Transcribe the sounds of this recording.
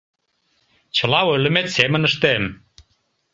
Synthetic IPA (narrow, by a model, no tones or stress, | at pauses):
t͡ɕɤ̆lɑwølə̆met̪semə̆nə̆ʃt̪em